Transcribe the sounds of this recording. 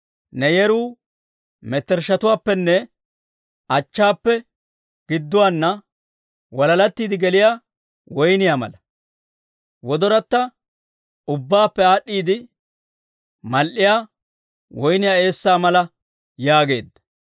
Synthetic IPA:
nɛjɛɾuː | mɛt̪ːɛɾʃɐt̪ʊwaːpːɛnːɛ | ɐt͡ʃːaːpːɛ | ɡ̥ɪd̪ːʊwaːnːɐ | wɐlɐlɐt̪ːiːd̪ɪɡɛlɪjaː | wɔjnɪjaːmɐ̰lɐ | wɔd̪ɔɾɐt̪ːɐ | ʊbːaːpːɛaːɗːiːd̪ɪ | mɐlʔɪjaː | wɔjnɪjaːe̞ːsːaːmɐlɐ | jaːɡe̞̰ːd̪ːɐ̥

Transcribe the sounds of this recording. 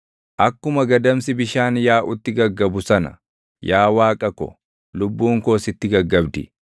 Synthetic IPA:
ʔɐkːʊmɐɡɐd̪ɐmsɪbɪʃaːnjaːʔʊt̪ːɪɡɐɡːɐbʊsɐnɐ̰ | jaːwaːkʼɐkɔ̰ | lʊbːuːŋko̞ːsɪt̪ːɪɡɐɡːɐbd̪ɪ̰

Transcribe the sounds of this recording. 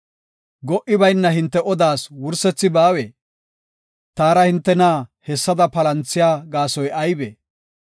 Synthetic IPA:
ɡɔʔɪbɐjnːɐɦɪnt̪ːɛʔɔd̪aːswʊɾsɛt͡sːɪbaːweː | t̪aːɾɐhɪnt̪ːɛnaːhɛsːɐd̪ɐpɐlɐnt͡sːɪjaːɡaːsɔjʔɐjbḛː

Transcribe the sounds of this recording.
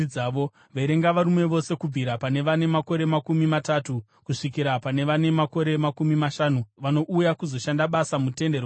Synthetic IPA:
aːʋo | ʋaiɾe̞ŋɡaʋaɾumwe̞ʋo̞se̞kub͡vʱiɾapane̞ʋane̞mako̞ɾe̞makumimatatu | kuʂikiɾapane̞ʋane̞mako̞ɾe̞makumimaʃanuʋano̞ʔujakuzo̞ʃandaɓasamute̞nder

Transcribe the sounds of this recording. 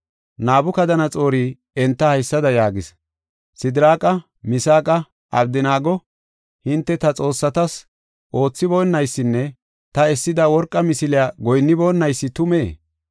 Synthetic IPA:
naːbʊkɐd̪ɐnɐt͡sʼo̞ːɾiː | ɛnt̪ːɐhɐjsːɐd̪ɐjaːɡɪs | sɪd̪ɪɾaːkʼɐ | mɪsaːkʼɐ | ʔɐbd̪ɪnaːɡɔ | hɪnt̪ːɛt̪ɐt͡sʼo̞ːsːɐt̪ɐs | ʔo̞ːt͡sːɪbɔːnːɐjsːɪnːɛ | t̪ɐɛsːɪd̪ɐwɔɾkʼːɐmɪsɪlɪaːɡɔjnːɪboːnːɐjsːɪt̪ʊme̞ː

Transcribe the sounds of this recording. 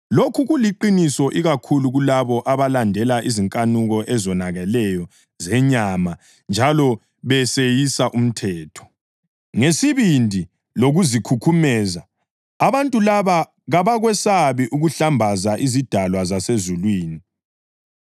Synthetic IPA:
lokʰuɣuliǃinisɔʔiɣakʰuluɣulaβɔʔaβalandʱɛlaʔiziŋkʼanuɣɔʔɛzɔnaɣɛlɛjɔ | zɛɲama | nd͡ʒʱalɔ | βɛsejisaʔum̩tʰɛːtʰɔ̥ | ŋesiβindʱi | loɣuzikʰukʰumɛːzaː | βantʼulaβa | ɣaβaɣwɛsaβiʔuɣuɬambʱazaʔizid̥ʱalwazasezulwiːni

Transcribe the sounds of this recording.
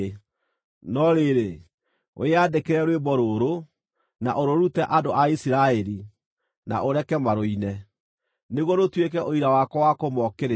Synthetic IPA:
nɔɾeɾe | o̰adekeɾɛɾwebɔɾoɾo | naʔoɾoɾutɛʔadoʔaisiɾaɛɾi | na̰ʔoɾɛkɛmaɾoinɛ | neɣwɔnotwek̬ɛʔoiɾawakɔwakomɔkeɾe

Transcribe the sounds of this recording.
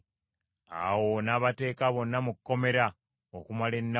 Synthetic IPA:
a̰wonaβate̞ːkaβo̞nːamukːo̞me̞ɾa | okumalenːa

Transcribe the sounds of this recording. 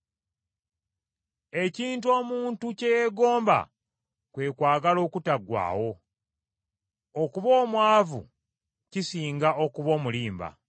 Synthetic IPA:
e̞ciːntuo̞ːmuːntucejeɡo̞ːmba̰ | kwe̞ːkwaːɡalo̞ːkutaɡwa̰ːwo̞ | okuβo̞ːmwaːvṵ | cisiːŋɡaʔo̞kuβo̞ːmuliːmba̰

